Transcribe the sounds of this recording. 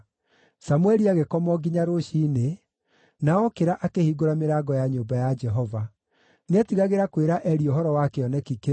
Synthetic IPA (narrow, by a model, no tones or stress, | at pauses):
samuɛɾiaɣekɔmɔɡiɲaɾoʃiːne | naɔkeɾaʔakehiːɡoɾameɾaːɡɔjaɲoːmbajad͡ʒɛɦɔva | neatiɣaɣeɾakweɾaʔɛɾioɦɔɾɔwakeɔnɛkike